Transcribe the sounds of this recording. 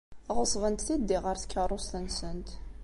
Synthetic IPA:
θʁəsˤvənt̪θid̪ːiʁəɾθkːərˤost̪ənsənt̪

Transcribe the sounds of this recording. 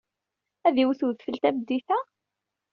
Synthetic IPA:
æðiwθuðfəlt̪æbd̪ːiθæ

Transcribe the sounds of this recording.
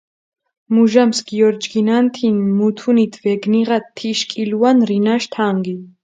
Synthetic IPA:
muʒamsɡiɔɾd͡ʒɡinant̪ʰinmut̪ʰunit̪ʰvɛɡniʁat̪ʰːiʃkʼiluanɾinaʃt̪ʰaŋɡi

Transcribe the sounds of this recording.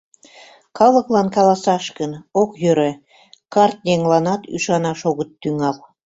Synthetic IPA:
kɑlˠɤ̆klˠɑnkɑlɑsɑʃkənokjøɾɘ̆ | kɑrt̪̚neŋlɑnɑt̪y̰ʃɑnɑʃoɣə̆t̪ːyŋɑl

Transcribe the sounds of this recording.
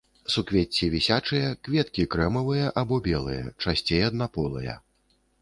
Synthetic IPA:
sukvʲet͡sʲːivʲisʲat͡ʂɨjɐkvʲɛt̪kʲikɾɛmɐvɨjɐʔabɔbʲɛlˠɨ̰jɐ̰t͡ʂasʲt͡sʲejɐd̪̚napɔlˠɨ̰jɐ̰

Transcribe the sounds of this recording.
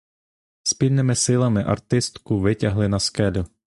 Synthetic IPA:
spʲilʲnɪmɪsɪlˠɐmɪʔɐ̰rt̪ɪst̪kʊʋɪtʲɐɦlˠɪnɐskɛlʲʊ

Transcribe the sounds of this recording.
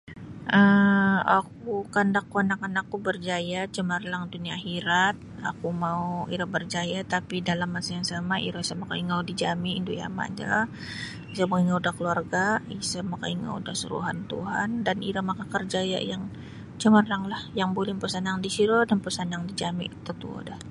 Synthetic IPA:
ʔəa̰kukandakːuanakanakːubərd͡ʒajat͡ʃəmarlaŋd̪uniaɦiɾat̪̚a̰kumauḭɾabərd͡ʒajat̪apidalamːasajaŋsamaʔḭɾaisamaka̰iŋaudid͡ʒamiind̪uja̰ma̰d͡ʒa̰ | is̬amakiŋaudahkəluarɡaisamaka̰iŋa̰ṵdahsə̰ɾṵɦant̪ṵɦa̰ndanḭɾamakakərd͡ʒaja̰jaŋ | t͡ʃəmərlaŋlahjaŋbolɪhpəsanaŋdisiɾodanpəsanjaŋdid͡ʒamit̪at̪ṵo̰dah

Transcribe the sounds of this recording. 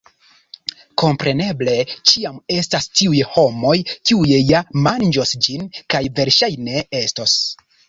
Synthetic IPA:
ko̞mpɾe̞ne̞ble̞t͡ʃiame̞stastiujho̞mo̞jkiujejamand͡ʒosd͡ʒinkajve̞ɾʃajne̞e̞stos

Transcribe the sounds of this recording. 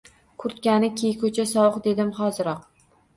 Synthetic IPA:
kʰʊɾt̪kʲanɪkʲʰejkʰɵt͡ʃʰasɒwɨqd̪e̞d̪ɪmχɒzɪɾɒq

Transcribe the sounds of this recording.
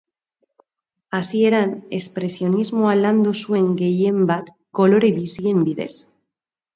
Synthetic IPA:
asieɾanespɾesjo̞nizmoaβland̪osueŋɡejembat̪ | koloɾeβisiembiðḛs

